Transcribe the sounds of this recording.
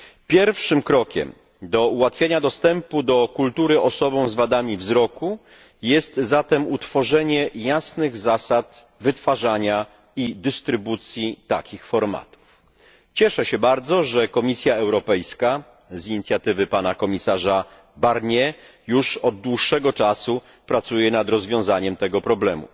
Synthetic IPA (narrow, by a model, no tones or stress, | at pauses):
pʲjɛɾfʂɘmkɾɔkʲɛ̰m | d̪ɔuwat̪fʲjeɲad̪ɔst̪ɛmpud̪ɔkult̪uɾɘʔɔsɔbɔ̃w̃zvad̪amʲivzɾɔku | jɛst̪zat̪ɛmut̪fɔʐɛɲɛjasnɘɣzasat̪ | vɘt̪faʐaɲa | id̪ɘst̪ɾɘbut̪sʲjit̪akʲixfɔɾma̰t̪u̥f | t͡ɕɛʂɛɕɛbaɾd̪zɔʐɛkɔmʲisʲjaɛwɾɔpɛjska | ziɲit̪sʲjat̪ɘvɘpanakɔmʲisaʐa | baɾɲɛ | juʂɔd̪̚d̪ːwuʂːɛɡɔt͡ʂasu | pɾat̪sujɛnad̪ɾɔzvʲjɔ̃w̃zaɲɛmt̪ɛɡɔpɾɔblɛmṵ